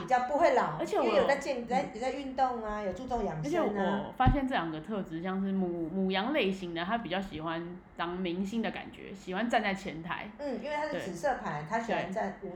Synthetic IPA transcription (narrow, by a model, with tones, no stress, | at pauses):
pi˨˩t͡ɕjɑ˥˧ʊpu˧xwe˥˩ɪlɑ˨˩˦ʊə˧˥t͡ɕʰjɛ˨˩˧jo˨˩a˥˧ɪt͡ɕjɛ˥˧ŋ˨˩a˥˧ɪjo˨˩t͡sa˥˧ɪy˥˧nt̪o˥˩ŋa˨jo˨ʊt͡su˥˧t͡so˥˧˩ŋjɑ˨˩ŋə˥ɛ˨˧˥nə˧˨fa˥ɕjɛ˥˧nʈ͡ʂɤ˥˩ljɑ˨˩ŋɡə˩t̪ʰɤ˥˧t͡sɹ̩˧˥ɕjɑ˥˧ŋʂɻ̩˥˩mu˨˩mu˨˩jɑ˧˥ŋle˥˩ɪɕi˧˦ŋd̪ə˨t̪ʰa˦˥pi˨˩t͡ɕjɑ˥˩ʊɕḭ˨˩xwa˦n | t̪ɑ˥ŋmi˧˥ŋɕi˥nd̪ə˨ka̰˨˩nt͡ɕɥɛ̰˧˦ɕi˨˩xwa˦nt͡sa˥˧nt͡sa˥˩ɪt͡ɕʰjɛ˧˥nt̪ʰa̰˧˩˦ɪn̩˥˩i˥nwe˥˩t̪ʰa˥t̪we˥˩ɪ˨˩sɤ˥˩pʰa˨˧˦ɪt̪ʰa˥ɕɛ˨˩˥a˩˦t͡sa˥˧˥